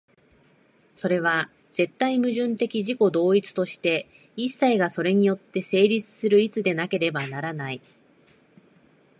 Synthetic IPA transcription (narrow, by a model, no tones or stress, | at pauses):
so̞ɾe̞β̞a | z̥e̞t̪ːaimɯ̟ʑɨ̃nt̪e̞kʲiʑiko̞d̪o̞ːit͡sɨ̥t̪o̞ɕi̥t̪e̞ | isːaiɡaso̞ɾe̞ɲ̟ijo̞t̪ːe̞se̞ːɾʲit͡sɨ̥sɨɾɯ̟it͡sɨd̪e̞nake̞ɾe̞banaɾanai